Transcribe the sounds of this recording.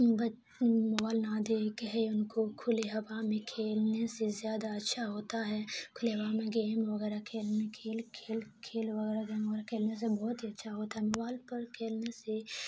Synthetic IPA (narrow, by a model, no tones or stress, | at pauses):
bɐ | mʊbaːlnaːd̪ekɦɛʊnkokʰʊleɦɐʋamẽkʰeːlnesezjaːd̪aɐtːʃʰaɦoːt̪aɦɛkʰʊleɦɐʋamẽɡeːmʋɐɣɛːɾakʰeːlnẽkʰeːlkʰeːlkʰeːlʋɐɣɛːɾaɡeːmɡɛɾakʰeːlnes̬ebɔːt̪iɐtːʃʰaɦoːt̪aɦɛmɐbaːlpɐɾkʰeːlnese